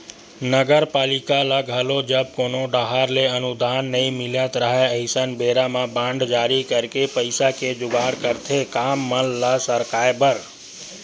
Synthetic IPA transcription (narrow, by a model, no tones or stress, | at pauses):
nəɡəɾpalikaləɡʱəlod͡ʒəb̚konoɖəɦaɾleənud̪ʱanːəjmilət̪ɾəɦɛəɪsənbeɾamabãɳɖd͡ʒaɾikəɾkepəɪsaked͡ʒʊɡaɾkəɾt̪ʰekamːəlːasəɾkaebəɾ